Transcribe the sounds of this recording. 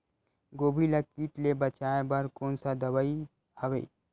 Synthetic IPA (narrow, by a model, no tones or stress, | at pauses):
ɡoːbʱilakiːʈlebɐt͡ʃaːebɐɾkoːnsad̪ɐʋai | ɐʋḛː